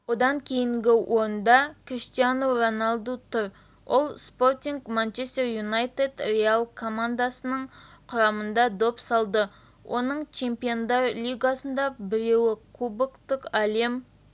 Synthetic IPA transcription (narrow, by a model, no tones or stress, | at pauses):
wo̞d̪ɑŋkʲʰe̞jɪŋɡʲɪwʔo̞ɾənd̪ɑkʰrist̪ijanoronalˠd̪ut̪ʰʊɾ | wʔolˠspo̞rt̪ʲiŋɡmant͡ʃe̞st̪e̞rjunajt̪ed̪realˠkʰo̞mand̪asənəɴqʰʊɾɑmənd̪ɑd̪opsɑlˠd̪ə | wʔo̞nəɴt͡ʃʰe̞mpijo̞nd̪ɑɾlʲijɡɑsənd̪ɑbɪɾe̞wɪkʰubɪkt̪ʊkale̞m